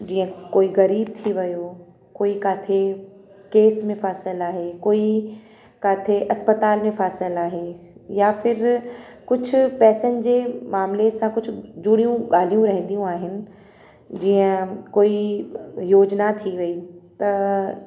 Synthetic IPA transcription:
d͡ʑiːə̃koːiɣɐɾiːb̚t̪ʰiʋɐjoː | koːikaːt̪ʰe | keːsmẽfaːsəlaːɦekoːi | kaːt̪ʰeʔɐspət̪aːlmẽfaːsəlaːɦejaːfɪɾkʊd͡ʑʱʰʊ̆pɛːsənɪ̆d͡ʑeːmaːmlesãkʊd͡ʑʰʱʊ̆d͡ʑʊɽijũɠaːl̤ijũɾɐɦə̃n̆d̪ijũaːɦɪnɪ̆ | d͡ʑiːə̃koːi | joːd͡ʑnat̪ʰiʋɐit̪ɐ

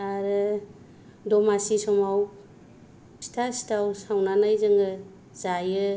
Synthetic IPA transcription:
aɾɯ | dɔmasisɔmaw | si̥tʰasi̥tʰawsawnanajzɯŋɡɯ | zajɯ

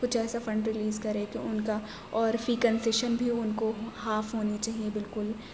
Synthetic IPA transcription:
kʊt͡ʃʰɛːsafɾɐ̃ɳɖɾɪliːzkɐɾẽːkeʊnka | ɔːɾfɾiːkɐ̃nsɪʃənbʱiʊnkoɦaːfɦoːnit͡ʃaːɦiebɪlkʊl

